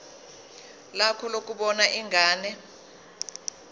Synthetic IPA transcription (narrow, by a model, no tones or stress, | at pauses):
lakʰɔlok̬ʼuɓɔnaʔiŋʱaːnɛ